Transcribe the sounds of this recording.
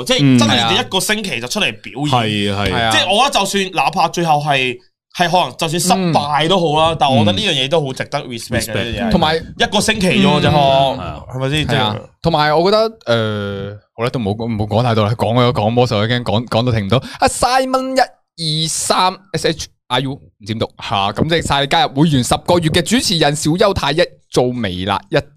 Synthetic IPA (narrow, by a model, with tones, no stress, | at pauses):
t͡sɛ˥jt͡sɐ˥nɐ˨jɐ˥t̚kɔː˧sɪ˥ŋkʰe˨˩jt͡sɐ˨wt͡ʃʰɵ˥t̚le˨˩jpi˨˥wji˨ɐ˨ɐ˨jhɐ˨jjaː˧t͡sɛː˥˩ʔɔː˧kɔ˦ɐ˥t͡sɐ˨wsyː˧nlaː˨˥pʰaː˧t͡ʃɵ˧ɥɦɐ˨wɦɐ˨j | hɐ˨jɦɔː˨˥lɐ˨˩ŋt͡sɐ˨ws̬yː˧nsɐ˥paː˧jt̪o˥wɦo˨˥wlaː˦˥t̪aː˨nɔ˧kɔ˧t̪ɐ˥liː˥jœː˨˩ŋjɛː˨˧t̪̬o˥wɦo˨˥wt͡sɪ˨k̚t̪ɐ˥k̚ɹi˨spɛ˥kkːɐː˨i˥˨jɛː˧t̪ʰŋmaː˨˩jjɐ˥t̚kɔː˧sɪ˥ŋkʰe˨˩jɔː˨˧˥ɔ˧hɐ˨jma˨˩siː˥ɐɛ˥˨aː˧t̪ʰo˨˩ŋmaː˨jɔː˨˧kɔː˧t̪ɐ˥k̚ɛː˨˧ho˧˥la˥t̪o˥m̩˨o˨˧wm̩˨˩o˨˧wkɔː˨˥ŋt̪a˧˥t̪o˨˧wla˧˥kɔː˨˥ŋ˧jɔ˧˥kɔː˨˥ŋpɔː˥sɐ˨˩wkɛː˥ŋkɔː˨˥ŋkɔ˨˥ŋt̪o˧t̪ʰɪ˨˩ŋm̩˩o˨˧wa˨˩saː˥jmɐ˥njɐ˥t̚ | jiː˨˩saː˥mɛː˥se˥t͡ʃʰ | ʔaː˧˥juː˥mm̩˨˩ti˨˥nt̪ʊ˨k̚haː˨˩kɐ˨˦mt͡sɛː˥˧saː˧le˨˧jkaː˥jɐ˨p̚wu˨˧jːyː˨˩nsɐ˨p̚kɔː˧ɥy˨t̚kɛː˧t͡syː˨˥t͡sʰiː˨˩jɐ˨˩nsiː˨˥wjɐ˥wt̪ʰaː˧jjɐ˥t̚t͡so˨˧wme˨˩jla̰ː˧jɐ˥t̚